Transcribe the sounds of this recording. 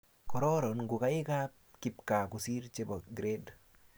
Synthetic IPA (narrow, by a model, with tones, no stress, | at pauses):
kɔ˨ɾɔ˦ɾɔ˨nŋɡʊ˨ka˦ɪ˦kap | kɪ˨p̚ka˨kʊ˨si˦ɾt͡ʃe˦bɔ˨ɡɾe˦d